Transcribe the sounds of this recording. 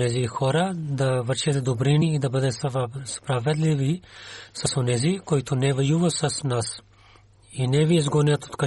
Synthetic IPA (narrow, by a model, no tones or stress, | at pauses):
nɛzixɔɾad̪avrt͡ʃɛt̪ɛd̪obɾiniːd̪abəd̪ɛspɾavɛd̪livisasonɛzikojt̪onɛvɛjuvasasnas | inɛvijɛzɡɔnɛat̪o̥t̪ka